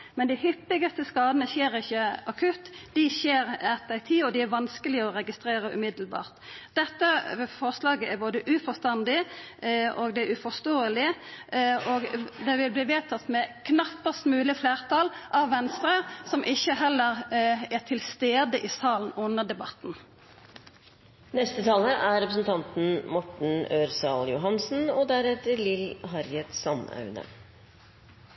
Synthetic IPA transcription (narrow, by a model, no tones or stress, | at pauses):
mɛnd̪ɪhʏpːɪɡəst̪əskɑːd̪ənəçeːɾɪçːəɑkʰʉt̪ːd̪̥ɪçeːɾɛt̪̚d̪æɪt̪ʰɪːɔd̪ɪæɾʋɑnskəlɪɔʁɛɡɪst̪ɾeːɾəʔʉ̰mɪd̪l̩bɑ̰ːʁt̪d̪̥ɛt̪ːəfɔʁslɑːɡəæɾboːd̪əʔʉfɔst̪ɑnd̪ɪ | ɔɡd̪ɛæɾʉfɔst̪oːəlɪ | oɡd̪ɛʋɪlbliːʋeːt̪ʰɑt̪ːmɛkʰnɑpːəst̪mʉːlɪfleːʁt̪ʰɑlʔɑʋʋɛnst̪ɾəsɔmʔɪçːəɦɛlːəɾɛt̪ʰɪlst̪eːd̪əʔɪsɑːln̩ʊnːəʁd̪ɛbɑt̪n̩ | nɛst̪ət̪ʰɑːləʔæɾɾɛpɾəsn̩t̪ʰɑnt̪n̩mɔʈɳ̩øːɾsɑljʊɦɑnsn̩ɔd̪æɾɛt̪ːəɾlɪlɦɑɾjɛt̪sɑnɑ̰ʉnə̰